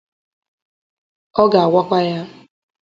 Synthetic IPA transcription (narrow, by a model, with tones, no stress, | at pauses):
ɔ˦ɡa˨a˨wʷa˦kʷa˦ja˦